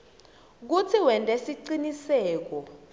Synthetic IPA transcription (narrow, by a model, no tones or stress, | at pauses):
k̬ut͡sʰiwɛntʼɛsiǀinisɛːk̬ɔ